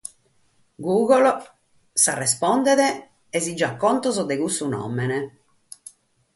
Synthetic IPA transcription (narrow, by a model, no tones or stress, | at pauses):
ɡuːɣɔl | sarɛspɔnd̪ɛðɛ | ɛzid͡ʒakːɔnt̪ɔzɔd̪eɣusunɔ̰mɛnɛ